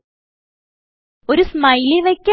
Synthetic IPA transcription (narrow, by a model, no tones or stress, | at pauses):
oɾusmɐjliʋɐkʲː